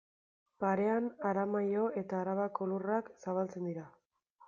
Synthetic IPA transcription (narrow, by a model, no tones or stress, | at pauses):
paɾe̞anaɾamajo̞e̞t̪aːɾaβako̞luraksaβalt͡se̞nd̪iɾa